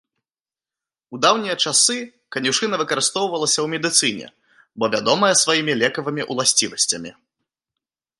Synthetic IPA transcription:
ud̪awnʲijɐt͡ʂasɨ | kɐnʲuʂɨnɐvɨkɐɾɨst̪ɔwvɐlˠɐsʲɐwmʲɛd̪ɨt̪sɨnʲɛ̰ | bɔvʲad̪ɔmɐjɛsvajimʲilʲɛkɐvɐmʲiʔulˠasʲt͡sʲivɐsʲt͡sʲɐmʲi

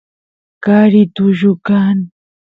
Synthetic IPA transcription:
kaɾit̪ʊʒʊkan

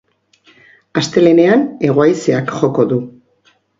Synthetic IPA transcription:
ast̪e̞le̞ne̞ane̞ɣ̞oajseakxo̞ko̞ðu

